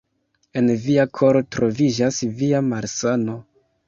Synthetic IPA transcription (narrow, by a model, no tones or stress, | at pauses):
e̞nviakʰo̞ɾo̞tɾo̞vid͡ʒasviamaɾsano̞